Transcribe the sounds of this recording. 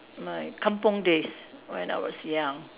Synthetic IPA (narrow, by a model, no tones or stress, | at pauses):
maɪkʰʌ̃mpɔ̃ŋdeswɛ̰̃na̰ɪwʌ̰zjʌ̃ŋ